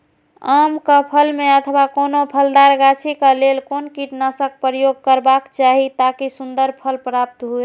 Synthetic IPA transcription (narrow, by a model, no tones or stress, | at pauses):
amkəpʰəlmeət̪ʰbakonopʰəld̪aɾɡat͡ʃʰikəlelkonkiʈnəsək̚pɾəjoɡ̚kəɾbakt͡ʃaɦit̪akisund̪əɾpʰəlpɾap̚t̪ɦue